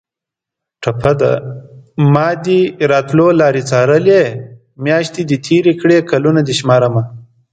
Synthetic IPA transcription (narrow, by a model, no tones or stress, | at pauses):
ʈʰɐpʰad̪a̰ | mɑːd̪iɾɑːt̪lolɑːɾit͡saːɾəle | mjɑːʃt̪id̪it̪ʰiɾikɽekalunad̪iʃmɑːɾama